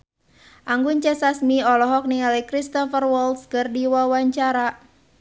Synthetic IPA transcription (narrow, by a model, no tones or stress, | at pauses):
ʔaŋɡuɲt͡ʃɛsasmiɔlɔɦɔk̚niŋalikɾist̪ɔfərwɔlskɨrdiwawaɲt͡ʃaɾa